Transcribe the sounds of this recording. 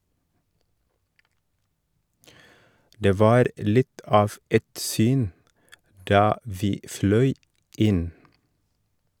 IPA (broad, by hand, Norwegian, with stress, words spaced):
ˈdeː ˈʋɑːɾ ˈlɪt ˈɑːf ˈɛt ˈsyːn ˈdɑː ˈʋiː ˈflœʏ ˈɪn